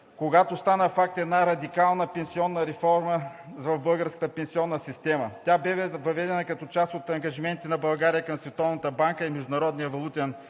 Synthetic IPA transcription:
koɡat̪ost̪anəfak̚t̪ɛd̪naɾɐd̪ikalˠnəpɛnsiɔnːəɾɛfɔɾməvɐvbɤlˠɡəɾskə̥t̪əpɛnsiɔnːəsist̪ɛmɐt̪ʲabɛvɛvɐvɛd̪ɛnəkɐt̪ɔt͡ʃast̪ot̪ɐŋɡɐʒimɛnt̪inɐbɐlˠɡaɾijəkɐmsvɛt̪ɔvnət̪əbaŋkəimɛʒd̪ʊnɐɾɔd̪nijəvɐlˠut̪ɛn

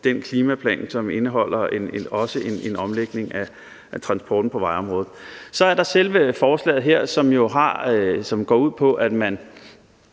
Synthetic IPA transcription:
d̥enkʰliːmæpʰlɛ̰ːnsɒ̽me̝nəɦɒ̽l̰ɐenɒ̽səʔe̝ne̝nɒ̽mleɡ̥ne̝ŋæ | t͡sʰʁɑ̈nsb̥ɒːd̥n̩pʰɒ̽ʋɑ̈ɪɒ̽mʁɔ̽ːð̩ˠsɒ̽æɐɾɑ̈selʋəfɒːslɛ̰ːð̩ˠɦeɐ̰sɒ̽mjo̝ɦɑ̈sɒ̽mɡ̥ɒ̰ːuð̞̰ˠpʰɒ̽ʔæd̥mæn

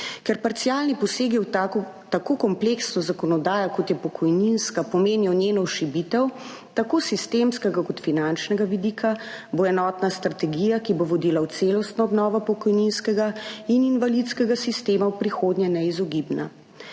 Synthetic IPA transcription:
kɛɾpaɾt̪siaːlnipɔseːɡiw | t̪akokɔmpleksnɔzakɔnɔd̪aːjɔkɔt̪jɛpɔkʰɔjninskapɔmeːnjɔnjeːnɔʃibit̪ɛw | t̪akoːsist̪emskɛɡakɔt̪finant͡ʃnɛɡaʋid̪ikʰaboɛnɔːt̪nast̪ɾat̪ɛɡijakiboʋɔd̪ilawt̪seːlɔst̪nɔɔbnɔːʋɔpɔkɔjninskɛɡaininvalit̪skɛɡasist̪eːmawpɾixoːd̪njɛnɛizɔɡibna

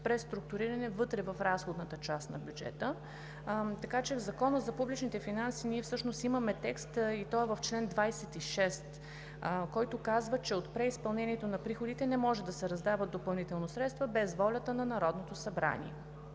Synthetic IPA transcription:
pɾɛst̪ɾuk̚t̪ʊɾiɾɐnɛvɤt̪ɾɛvɐfɾasxod̪nət̪ət͡ʃast̪nɐ̰bʲjud͡ʒɛ̰t̪ə | t̪ɐkat͡ʃɛvzɐkɔnəzɐpublit͡ʃnit̪ɛfinansiniɛfsɤʃnost̪iməmɛt̪ɛkst̪it̪ɔɛvɐft͡ʃlɛnd̪vajsɛt̪iʃɛst̪ | kɔjt̪okazvət͡ʃɛot̪pɾɛispɐlˠnɛniɛt̪onɐpɾixod̪it̪ɛnɛmɔʒɛd̪ɐsɛɾɐzd̪avəd̪opɐlˠnit̪ɛlˠnosɾɛt̪st̪vəbɛzvɔlʲɐt̪ənɐnɐɾɔd̪not̪osɐbɾa̰nḭɛ̰

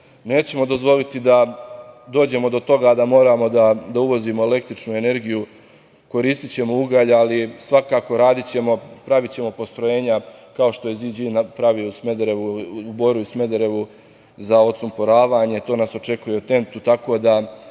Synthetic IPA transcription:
ne̞ːt͡ɕe̞mod̪o̞zʋo̞lit̪id̪a | d̪o̞ːd͡ʑe̞mo̞d̪o̞t̪o̞ɡad̪amo̞ːɾaːmo̞d̪ad̪auʋo̞zimo̞e̞le̞k̚t̪ɾit͡ʃnue̞ne̞ɾɡiju | ko̞ɾist̪it͡ɕe̞mo̞uɡaʎalisʋakaːko̞ɾaːd̪it͡ɕe̞mo̞pɾaʋit͡ɕe̞mo̞po̞st̪ɾo̞je̞ːɲakao̞ʃt̪o̞jezid͡ʑinapɾaʋijousmed̪ɾeʋuuboɾijusme̞d̪eɾe̞ʋu | zao̞t̪sumpoɾaːʋaːɲe̞t̪o̞ːnaːso̞t͡ʃe̞kuje̞ut̪e̞nt̪ut̪ako̞d̪a

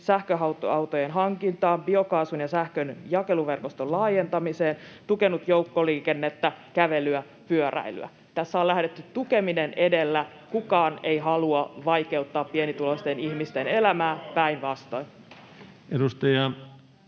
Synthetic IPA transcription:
sæhkøɦɑwt̪o̰ɑut̪ojenɦɑŋkint̪ɑːmbio̞kɑːsunjɑsæhkønjɑke̞luʋe̞rkost̪ollɑːjent̪ɑmiseːnt̪uke̞nut̪joukːoliːkenːet̪ːækæʋe̞lyæ | pyøɾæ̰ily̰æ̰ | t̪æsːæolæhdet̪ːytt̪ukeminenʔe̞delːæ | kukɑːne̞iɦɑluɑʋɑike̞ut̪ːɑːppienit̪ulost̪enihmist̪ene̞læmæːpæinʋɑst̪oin | edust̪ɑjɑ

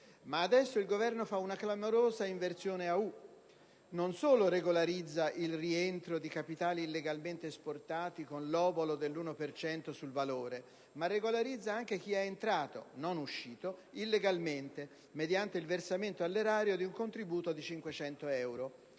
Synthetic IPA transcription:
maːd̪ɛsːoilɡovɛrnofaunaklamoɾoːzaiɱvert̪sjoːneau | nonsoːloɾeɡolaɾid̪zːaʔilrient̪ɾod̪ikapit̪aːliːlːeɡalment̪eːsport̪aːt̪ikonlɔːbolod̪elːuːnopert͡ʃɛnt̪osulvaloːɾe | marːeɡolaɾid̪zːaaŋk̟ek̟iɛːnt̪ɾaːt̪o̰nonuʃːiːt̪oilːeɡalment̪e | med̪jant̪eilversament̪oalːeɾaːɾjod̪iuŋkont̪ɾibuːt̪od̪it͡ʃiŋkwet͡ʃɛnt̪oɛwɾo

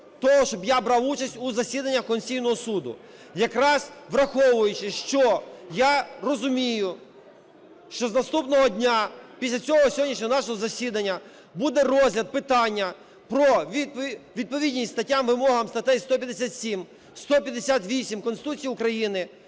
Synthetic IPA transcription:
t̪ɔɦɔʃt͡ʃɔbjabɾɑwut͡ʃɐsʲtʲuzɐsʲid̪ɐnʲːɐxkɔnʲsʲijnɔɦɔsud̪ʊ̰ | jɐkɾɑz̥ʋɾɐxɔʋʊjʊt͡ʃɪʃt͡ʃɔjarɔzʊmʲijʊ | ʃt͡ʃɔznɐst̪upnɔɦɔdʲnʲapʲisʲlʲɐt͡sʲɔɦɔsʲɦɔdʲnʲiʃɲʲɔɔnɑʃɔɦɔzɐsʲid̪ɐnʲːɐ | bud̪ɛɾɔzʲlʲɐd̪̚pɪt̪ɑnʲːɐ | pɾɔʋʲiʋʲid̪̚pɔʋʲidʲnʲisʲst̪ɐtʲːamʋɪmɔɦɐmst̪ɐt̪ɛjst̪ɔpʲjɐd̪esʲat̪sʲim | st̪ɔpʲjɐd̪esʲat̪ʋʲisʲimkɔnsɪt̪ut͡sʲijiʊkɾɐjinɪ

